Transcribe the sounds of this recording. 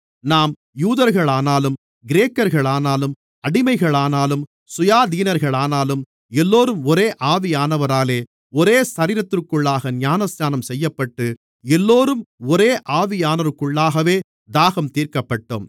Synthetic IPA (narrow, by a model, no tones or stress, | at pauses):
naːm | juːðɐɾɣɐɭaːnaːlɯm | ɡɪɾeːkːɐɾɣɐɭaːnaːlɯm | ɐɽɪmɐɪɣɐɭaːnaːlɯm | sʊjaːd̪iːnɐɾɣɐɭaːnaːlɯm | ɛlːoːɾɯmɔɾeːʔaːʋɪjaːnɐʋɐɾaːleː | ɔɾeːsɐɾɪːɾɐt̪ːɪrkːɯɭːaːɣɐnjaːnɐsɲaːnɐmsɛjːɐpːɐʈːɯ | ɛlːoːɾɯmɔɾeːʔaːʋɪjaːnɐɾɯkːɯɭːaːɣɐʋeː | d̪aːɣɐmt̪iːɾkɐpːɐʈːo̰ːm